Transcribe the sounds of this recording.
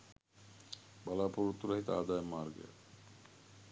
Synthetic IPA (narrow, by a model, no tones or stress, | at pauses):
balapoɾut̪ːuɾaɦit̪a̰ad̪aemaɾɡḛ